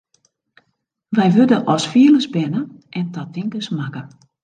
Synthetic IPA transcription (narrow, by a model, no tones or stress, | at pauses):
ʋɛjʋødəʔɔsfiələsbɛnə | ʔɛntɔtɪŋkəsmakə